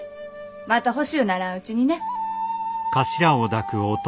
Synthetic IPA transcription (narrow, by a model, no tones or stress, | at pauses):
mat̪aɦo̞ɕionaɾãɯ̟t͡ɕiɲ̟ine̞ | kaɕiɾaod̪akɯ̟ot̪